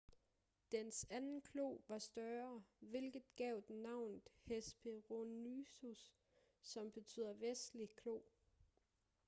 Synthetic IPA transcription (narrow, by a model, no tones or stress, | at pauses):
d̥ensænn̩kʰlo̝̰ːʋɑ̈sd̥ɶɐʋe̝lɡ̥ð̩ˠɡ̥ɛʊdnɑ̈ʊ̰nð̩ˠhesb̥ʰe̝ʁonysusː | ɒ̽mb̥e̝t͡sʰy̰ːð̰ˠɐʋesd̥likʰlo̝̰ː